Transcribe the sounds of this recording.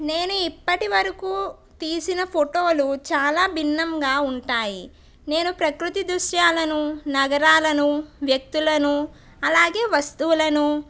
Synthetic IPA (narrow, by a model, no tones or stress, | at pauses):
ne̞ːnuipːɐʈiʋɐɾɐkuː | t̪iːsinɐpʰoʈo̞ːlut͡ʃaːlaːbʱinːɐmɡaːuɳʈaːji | ne̞ːnupɾɐkɾut̪id̪ɾuʃjaːlɐnunɐɡɐɾaːlɐnuʋjɐk̚t̪ulɐnu | ɐlaːɡe̞ːʋɐst̪uːulɐnu